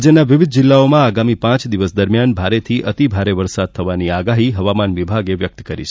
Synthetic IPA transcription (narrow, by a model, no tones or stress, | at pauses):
d͡ʒənaʋiʋid̪̚d͡ʒɪlːaomãaɡamipãt͡ʃd̪iʋəsd̪əɾmjanbʱaɾet̪ʰiʔət̪ibʱaɾeʋəɾsad̪̚t̪ʰəʋaniaɡaɦiɦəʋamanʋibʱaɡeʋjək̚t̪kəɾḭt͡ʃʰ